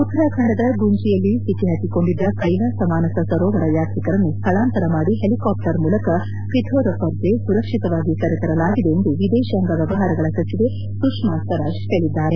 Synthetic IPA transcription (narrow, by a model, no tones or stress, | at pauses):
ut̪ːɾakʰɐɳɖɐd̪ɐɡuɲt͡ʃijɐlːisit̪iɦɐt̪iko̞ɳɖid̪ːɐkɐjlɐsɐmaːnɐsɐsɐɾoːʋɐɾɐjaːɾt̪ɾikɐɾɐnːust̪ʰɐɭaːnt̪ɐɾɐmaːɽiɦelikaːp̚ʈɐɾmuːlɐkɐ | kɾit̪ʰoːɾɐpɐɾd͡ʒesuɾɐkʂit̪ɐʋaːɡikɐɾet̪ɐɾɐlaːɡid̪e̞ːnd̪uʋid̪eːʃaŋɡɐʋjɐʋɐɦaːɾɐɡɐɭɐsɐt͡ʃːid̪e | sukʂmaːst̪ʰɐɾɐʃʈɐɭid̪ːaːɾe